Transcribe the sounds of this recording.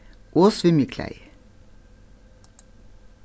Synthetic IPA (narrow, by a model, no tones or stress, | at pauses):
ʔoːsʋɪmikʰlæ̰ɪ